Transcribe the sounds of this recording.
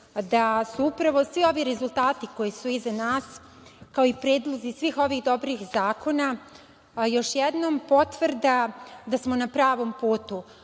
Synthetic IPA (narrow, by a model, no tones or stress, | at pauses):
d̪asuupɾaʋo̞sʋio̞ʋiɾe̞zulˠt̪aːt̪iko̞jisuizanaːs | kaoipɾe̞ːd̪lˠo̞zisʋiːxo̞ʋixd̪o̞bɾixzaːko̞na | jo̞ʃjɛd̪nompo̞t̪ʋrd̪ad̪asmo̞napɾaːʋo̞mpuːt̪u